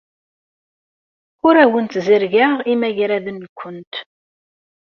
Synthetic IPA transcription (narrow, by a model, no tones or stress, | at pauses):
ʊɾæwənt̪zəɾʝaʁimæʝɾæðənːkʷːənt̪